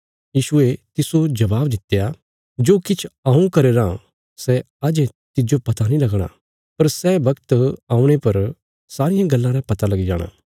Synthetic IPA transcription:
jiːʃʊet̪ɪsod͡ʒɐbaːbd̪ɪt̪eja | d͡ʒoːkɪt͡ʃʰaũkɐɾeːɾã | sɛ | ad͡ʒɛ̃ | t̪ɪd͡ʒopɐt̪anĩlɐɡɽ̃a̰ | pɐɾsɛbɐkt̪ãːũɽ̃epɐɾ | saːɾɪjãɡɐlːãɾɛ̃pɐt̪alɐɡid͡ʒa̰ːɽ̃a̰ː

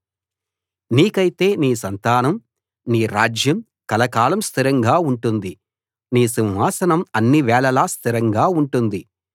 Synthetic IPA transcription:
niːkɐjit̪e̞ːniːsɐnt̪aːnɐm | niːɾaːd͡ʒjɐm | kɐlɐkaːlɐmst̪ʰiɾɐŋɡaːuɳʈund̪i | niːsiwɦaːsɐnɐmɐnːiʋɛːɭɐlaːst̪ʰiɾɐŋɡaːuɳʈund̪i

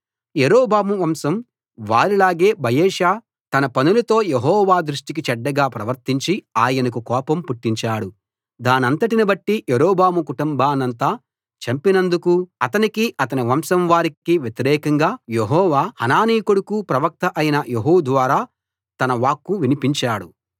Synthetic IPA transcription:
jeɾɔːbaːmuʋɐmsɐm | ʋaːɾilaːɡe̞ːbɐjeːʃaː | t̪ɐnɐpɐnulɐt̪o̞ːjeɦɔːʋaːd̪ɾuʂʈik̬it͡ʃɛɖːɐɡaːpɾɐʋɐɾt̪iɲt͡ʃiaːjɐnɐkukɔːpɐmpuʈːiɲt͡ʃaːɽu | d̪aːniɐnt̪ɐʈinibɐʈːijeɾɔːbaːmukuʈumbaːnɐnt̪aː | t͡ʃɐmpinɐnd̪ukuɐt̪ɐnikiʔɐt̪ɐniʋɐmsɐmʋaːɾikiʋjet̪iɾɛːkɐŋɡaːjeɦɔːʋaːhɐnaːniːkuɽukupɾɐʋɐk̚t̪ɐʔɐjinɐjeɦuːd̪ʋaːɾaː | t̪ɐnɐʋaːkːuʋinipiɲt͡ʃaːɽu

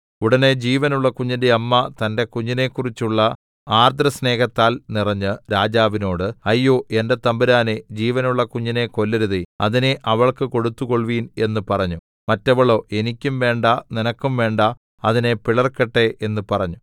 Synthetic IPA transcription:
uɽɐne̞d͡ʑiːʋɐnuɭːɐkuɲːindeɐmːɐt̪ɐnde̞kuɲːine̞kːurit͡ɕːuɭːɐ | aːrd̪rɐsne̞ːkɐt̪ːaːlnirɐɲːɨɾaːd͡ʑaːʋino̞ːɽɨɐjːoːʔe̞nde̞t̪ɐmbiɾaːned͡ʑiːʋɐnuɭːɐkuɲːine̞ko̞lːeɾuðiɐ̰ðineʔɐʋɐɭkɨko̞ɽut̪ːuko̞ɭʋiːne̞nːɨpɐrɐɲːu | mɐtːɐʋɐɭo̞ːʔe̞nikʲːumʋe̞ːɳɖɐninɐkːumʋe̞ːɳɖɐ | ɐðine̞piɭɐrkeʈːe̞ʔe̞nːɨpɐrɐɲːu

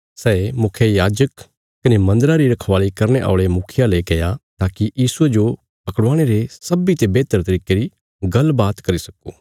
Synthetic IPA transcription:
sɛːmʊkʰjejaːd͡ʒək | kɐnemɐ̃nd̪əɾaɾiɾɐkʰʋaːlikɐɾñeʔa̰ːʊɭemʊkʰɪjalekɐjat̪aːkijiːsued͡ʒo | pɐkəɽãːɽ̃eɾesɐbit̪ebeːt̪əɾt̪ɐɾiːkeɾi | ɡɐlbaːt̪kɐɾisɐkoː

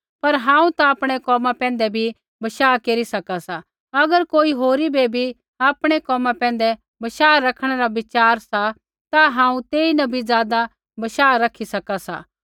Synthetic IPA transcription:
pɐɾɦãːũt̪aaːpɽ̃ɛkɔːmãpɛ̃ːn̆d̪ɛbʱi | bɐʃaːkeːɾisɐkasa | ɐɡəɾkoːiɦoːɾibebʱi | aːpɽ̃ɛkɔːmãpɛ̃ːn̆d̪ɛ | bɐʃaːɾɐkʰɽ̃ɛɾabɪt͡ʃaːɾsa | t̪aɦãːũt̪eːinɐbʱizjaːd̪a | bɐʃaːɾɐkʰːisɐkasa̰ː

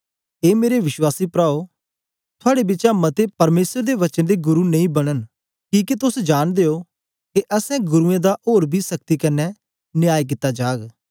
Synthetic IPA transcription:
eːmeːɾeʋɪʃwaːsiːpɾaːo | t̪ʰʊaːɽebɪt͡ʃamɐt̪epɐɾmeːsəɾd̪eːʋɐt͡ʃənd̪eːɡʊɾuːnɐĩːbɐɽ̃ən | kĩːkit̪ʊsd͡ʒaːnd̪eːoː | keʔɐsɛ̃ɡʊɾuẽd̪aʔoːɾbʱiːsɐk̚t̪ikɐnːɛ | nɪjaːik̬ɪt̪ːad͡ʒaːɡ

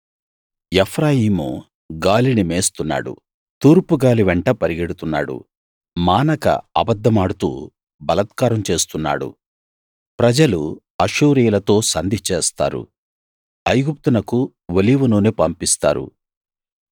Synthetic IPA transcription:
epʰɾaːjiːmu | ɡaːlinimeːst̪unːa̰ːɽṵ | t̪uːɾpuɡaːliʋɛɳʈɐpɐɾiɡeɽut̪unːa̰ːɽṵ | maːnɐkɐ̰ɐbɐd̪ʱːɐmaːɽut̪ṵː | bɐlɐt̪kaːɾɐmt͡ʃe̞ːst̪unːa̰ːɽṵ | pɾɐd͡ʒɐlu | ɐʃuːɾijɐlɐt̪o̞ːsɐnd̪it͡ʃeːst̪a̰ːɾṵ | ɐjɡup̚t̪unɐku | ʋɐliːʋunoːnepɐmpist̪a̰ːɾṵ

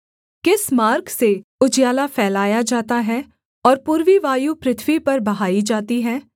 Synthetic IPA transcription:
kɪsmaːɾkseʊd͡ʒjaːlafʰɛːlaːjad͡ʒaːt̪aɦɛ | ɔːɾpuːɾʋiʋaːjupɾɪt̪ʰʋipɐɾbɐɦaːid͡ʒaːt̪iɦɛː

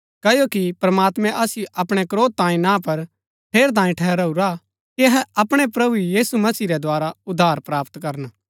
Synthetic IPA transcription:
kɐjokipɾɐmaːt̪mɛ̃ʔɐsjuʔɐpɽ̃ɛkɾoːt̪ːãːĩnãpɐɾ | pʰeːɾt̪̬aːĩʈʰɛːɾɐuɾa | kiɐɦɛɐpɽ̃ɛpɾɐbujiːsumɐsiːɾɛd̪aːɾaʊd̪ʱːaːɾpɾaːpt̪kɐɾən

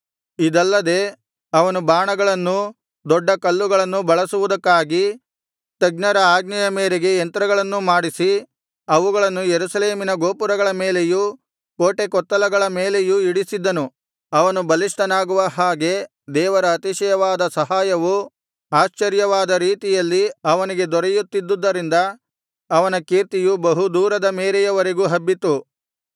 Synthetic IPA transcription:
id̪ɐlːɐd̪e̞ | ɐʋɐnubaːɳɐɡɐɭɐnːu | d̪ɔɖːɐkɐlːuɡɐɭɐnːubɐɭɐsuʋud̪ɐkːaːɡi | t̪ɐɡnɐɾɐaːɡnɐjɐmeːɾeɡe̞ːnt̪ɾɐɡɐɭɐnːumaːɽisi | ɐʋuɡɐɭɐnːujeɾuʃɐle̞ːminɐɡoːpuɾɐɡɐɭɐme̞ːle̞ju | koːʈekɔt̪ːɐlɐɡɐɭɐme̞ːle̞juiɽisid̪ːɐnu | ɐʋɐnubɐliʂʈɐnaːɡuʋɐɦaːɡe̞ | d̪ɛːʋɐɾɐːt̪iʃɐjɐʋaːd̪ɐsɐɦaːjɐʋu | aːʃt͡ʃɐɾjɐʋaːd̪ɐɾiːt̪ijɐlːiɐʋɐniɡe̞d̪ɔɾejut̪ːid̪ːud̪ːɐɾind̪ɐː | ʋɐnɐkiːɾt̪ijubɐɦud̪uːɾɐd̪ɐmeːɾejɐʋɐɾeɡuɦɐbːit̪u

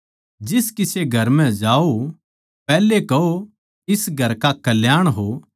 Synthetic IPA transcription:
d͡ʒɪskɪseɡʱɐɾmɛ̃d͡ʒaːo | pɛːlekɐo | ɪsɡʱɐɾkakɐljaːɽ̃ɦo

